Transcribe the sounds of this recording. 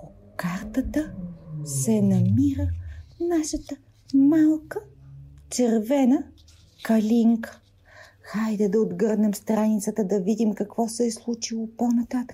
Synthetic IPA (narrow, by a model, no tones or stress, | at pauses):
o | kaɾt̪ət̪əsɛnɐmiɾənaʃət̪ə | malˠkət͡ʃɛɾvɛnə | kɐlʲiŋkə̥ | xajd̪ɐd̪ɐod̪ɡɤɾd̪nɛmst̪ɾanit̪sət̪əd̪ɐvid̪imkɐkvɔsɛːslˠut͡ʃilˠoponɐt̪at̪ə̥k